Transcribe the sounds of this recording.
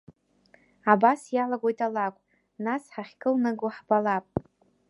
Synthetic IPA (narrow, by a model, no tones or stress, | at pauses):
abasjalaɡʷo̞jtʼalakʷʼ | nasħaχʲkʼɨlnɨɡʊħbalapʼ